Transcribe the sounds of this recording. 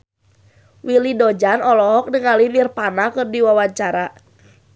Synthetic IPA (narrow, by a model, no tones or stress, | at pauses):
wilidod͡ʒanɔlɔɦɔk̚nəŋalinirpanakɨrdiwawaɲt͡ʃaɾa